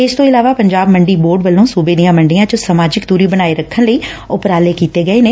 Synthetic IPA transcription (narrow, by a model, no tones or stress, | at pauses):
ɪst̪õːɪlaːʋaːpəɲd͡ʒaːbməɳɖiːboːɾɖʋəlːõːsuːbeːd̪ijãːməɳɖɪjãːt͡ʃosəmaːd͡ʒɪkd̪uːɾiːbənaːeːɾəkʰːənləiː | ʊpɾaːleːkiːt̪eːɡəeːneː